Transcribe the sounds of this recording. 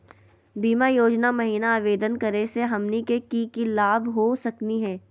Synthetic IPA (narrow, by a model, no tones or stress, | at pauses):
biːmajoːd͡ʒnamɐɦiːnaaːʋeːd̪ənkɐɾeseɦɐmnikekikilaːbɦosɐkniɦɛ̃ː